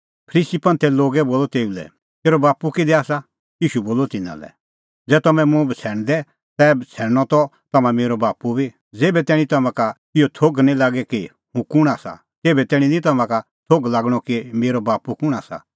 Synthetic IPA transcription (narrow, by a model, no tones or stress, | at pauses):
pʰəɾiːsipɐ̃nt̪ʰɛloːɡɛboːlɔt̪eːulɛ̰ | t̪eːɾɔbaːpukid̪ɛaːsa | jiːʃuboːlɔt̪ɪnã̰lɛ̰ | d͡zɛːt̪ɐmɛ̃mũbt͡sʰɛːɽ̃d̪ɛ | t̪ɛːbt͡sʰɛːɽñɔt̪ɔ | t̪ɐmãmeːɾɔbaːpubʱi | d͡zeːbɛt̪ɛːɽ̃it̪ɐmãka | ɪjɔt̪ʰoɡnĩlaːɡɛki | hũkʊɽ̃aːsa̰ | t̪eːbɛt̪ɛːɽ̃ĩnĩt̪ɐmãka | t̪ʰoɡlaːɡɽ̃ɔkimeːɾɔbaːpukʊɽ̃aːsa̰